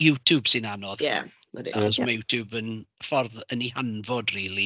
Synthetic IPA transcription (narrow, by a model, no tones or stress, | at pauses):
juːtʰub̥sɪnanɔðjɛ̰ | ədḭaχɔsmajuːtʰubənfɔrðənihanvɔdriːlˠi